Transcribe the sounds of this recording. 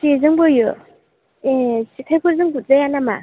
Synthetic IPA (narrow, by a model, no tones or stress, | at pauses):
sizɯŋbɯjɯ | esikʰajkʰɯzɯŋbuzajanama̰